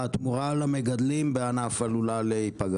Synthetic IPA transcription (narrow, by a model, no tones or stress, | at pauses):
at̪muʁalameɡad̪limbeanafalulaleipaɡ